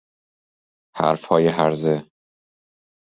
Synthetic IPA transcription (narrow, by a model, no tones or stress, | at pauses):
hæ̰ɾfhɒːjeɦæɾze